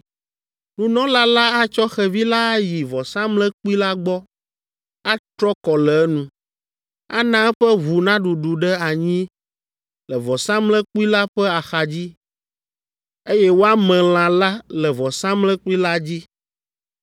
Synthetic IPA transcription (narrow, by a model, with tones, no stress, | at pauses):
nũ˦nɔ̃˦la˦la˦a˦t͡ʃɔ˦xɛ˨vi˦la˦a˦ji˨vɔ˨sã˦mlɛ̃˦k͡pu˦i˦la˦ɡ͡bɔ˦ | a˦t̪ɾɔ˦kɔ˨lɛ˨˦nũ˨ | a̰˦nã˦ɛ˦ɸɛ˦βu˨nã˦ɖu˨ɖu˨ɖɛ˦a˨ɲĩ˦ | lɛ˨vɔ˨sã˦mlɛ̃˦k͡pu˦i˦la˦ɸɛ˦a˨xa˨d͡ʑi˦ | e˦jɛ˦wo˦a˦mɛ̃˨l̃ã˨la˦lɛ˨vɔ˨sã˦mlɛ̃˦k͡pu˦i˦la˦d͡ʑi˦